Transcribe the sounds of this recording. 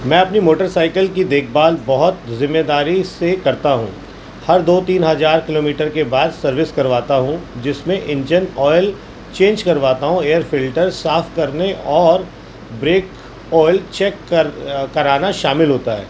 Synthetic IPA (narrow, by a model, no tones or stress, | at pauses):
mɛ̃ːɐpnimoːʈəɾsaːɪkəlkid̪eːk̚ʰbaːlbɐɦʊt̪zɪ̃mːed̪aːɾisekɐɾt̪aɦṵ̃ː | hɐɾd̪oːt̪iːnɦɐzaːɾkɪloːmiːʈəɾkebaːd̪sɐɾʋɪskɐɾʋaːt̪aɦũd͡ʒɪsmẽʔɪ̃nd͡ʒənɔːɪl | t͡ʃẽːnd͡ʒkɐɾʋaːt̪aɦũeːjəɾfɪlʈəɾsaːfkɐɾneʔɔːɾ | bɾeːk | ɔːɪlt͡ʃɛːkːəɾkɐɾaːnaʃaːmɪlɦoːt̪aɦɛ̰ː